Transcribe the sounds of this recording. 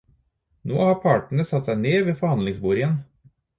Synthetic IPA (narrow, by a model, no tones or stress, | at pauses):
no̰ːhɑːɾpʰɑːʈɳ̩əsɑt̪sæɪneːʋeːfɔɾhɑnd̪lɪŋsbuːɾɪən